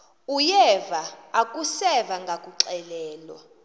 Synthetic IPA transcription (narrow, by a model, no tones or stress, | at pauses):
ujɛvaːkʼusɛvaŋɡʱakʼuǀɛlɛːlɔ̰